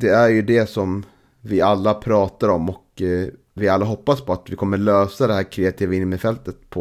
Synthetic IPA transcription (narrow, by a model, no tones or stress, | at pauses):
d̪ɛæɾjɵd̪ɛsɔm | vɪalːapʰɾɑːt̪aɾɔmɔk | vɪalːaɦɔpːaspʰɔat̪vɪkʰɔmːəɭøːsad̪ɛhæːɾkʰɾeːat̪ʰiːvaɪnːmɪfɛlt̪ət̪̚pʰɔ